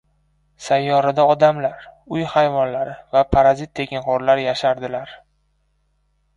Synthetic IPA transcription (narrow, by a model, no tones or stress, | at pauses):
sajːɒɾad̪aɒd̪amlaɾ | ʊjhajvɒnlaɾɪvapʰaɾazit̪ːʰe̞kʲɪnhoɾlaɾjaʃaɾd̪ɪlaɾ